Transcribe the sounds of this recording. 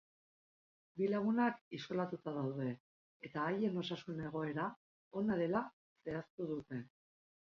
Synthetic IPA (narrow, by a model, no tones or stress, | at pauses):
bilaɣunakiso̞lat̪ut̪að̞awðe̞ | et̪aːje̞no̞sasune̞ɣ̞o̞e̞ɾa | o̞naðe̞la | se̞ast̪uð̞ut̪e̞